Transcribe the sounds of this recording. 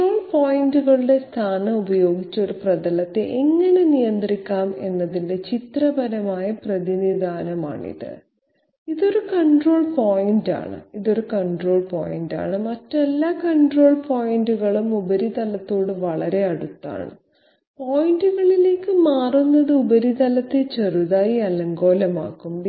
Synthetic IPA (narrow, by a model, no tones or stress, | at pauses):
oːɭpoːjinduɣɐɭuɽe̞st̪ʰaːnɐubɐjo̞ːɡit͡ɕːɐo̞ɾuprɐd̪ɐlɐt̪ːeʔeŋːɐne̞nijɐnd̪rikʲːaːme̞nːɐðinde̞t͡ɕit̪rɐbɐɾɐmaːjɐprɐðiniðaːnɐma̰ːɳḭðɨ̰ | iðo̞ɾukɐɳɖro̞ːɭpoːjinda̰ːɳɨ̰iðo̞ɾukɐɳɖro̞ːɭpoːjinda̰ːɳɨmɐtːelːaːkɐɳɖro̞ːɭpoːjinduɣɐɭumubɐɾit̪ɐlɐt̪ːoːɽɨʋɐɭɐɾe̞ɐɽut̪ːa̰ːɳɨ̰ | poːjinduɣɐɭile̞ːkːɨmaːrunːɐðɨubɐɾit̪ɐlɐt̪ːet͡ɕeruðaːjiɐlɐŋɡo̞ːlɐma̰ːkːum